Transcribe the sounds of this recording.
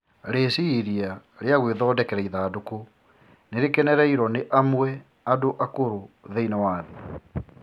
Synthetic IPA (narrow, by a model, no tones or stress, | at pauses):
ɾeːsiɾia | ɾeaɣweðɔːdɛkɛɾɛiðaːdoko | neɾekɛnɛɾɛiɾɔneʔamwɛ | adoʔakoɾoðeinawaðe